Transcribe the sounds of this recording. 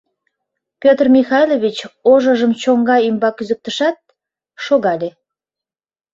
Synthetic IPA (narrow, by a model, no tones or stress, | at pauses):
pʲøt̪rmʲixɑjloβʲit͡ɕoʒəʒəmt͡ɕoŋɡɑimbɑkyzək̚t̪əʃɑt̪̚ | ʃoɣɑlʲe